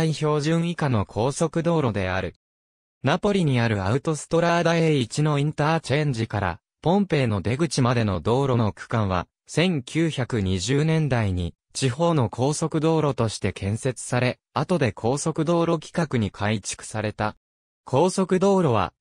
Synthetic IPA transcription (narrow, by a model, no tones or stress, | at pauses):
aiço̞ːʑɨ̃ɰ̃ikano̞kʰo̞ːso̞kɯ̟d̪o̞ːɾo̞d̪e̞a̰ɾɯ̟ | napo̞ɾʲiɲ̟iaɾɯ̟aɯ̟t̪o̞sɨ̥t̪o̞ɾad̪aeit͡ɕino̞ĩnt̪aːt͡ɕẽɲ̟d͡ʑikaɾa̰ | põ̞mpe̞ːno̞d̪e̞ɡɯ̟t͡ɕimad̪e̞no̞d̪o̞ːɾo̞no̞kɯ̥kãɰ̃β̞a̰ | sẽ̞ŋkʲʰɨːçakɯ̟ɲ̟iʑɨːnẽ̞nd̪aiɲ̟ḭ | t͡ɕiɦo̞ːno̞kʰo̞ːso̞kɯ̟d̪o̞ːɾo̞t̪o̞ɕi̥t̪e̞kʰẽ̞ɰ̃se̞t͡sɨ̥saɾe̞ | at̪o̞d̪e̞kʰo̞ːso̞kɯ̟d̪o̞ːɾo̞kʲi̥kakɯ̟ɲ̟ikʰait͡ɕi̥kɯ̟̥saɾe̞t̪a | kʰo̞ːso̞kɯ̟d̪o̞ːɾo̞β̞a̰